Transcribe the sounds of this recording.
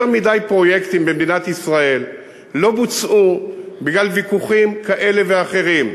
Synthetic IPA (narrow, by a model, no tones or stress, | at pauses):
mid̪ajpʁo̞jekt̪imbemd̪inat̪isʁae̞lː | o̞but͡sʔubiɡlalvikuχimkaʔe̞le̞veaχe̞ʁim